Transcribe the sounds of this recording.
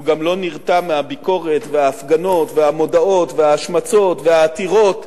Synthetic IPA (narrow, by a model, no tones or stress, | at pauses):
uɡamlo̞niʁt̪amːehabiko̞ʁe̞t̪ve̞aːfɡano̞tvehamo̞dao̞tveaːʃmat͡so̞tvehaːt̪iʁo̞t̪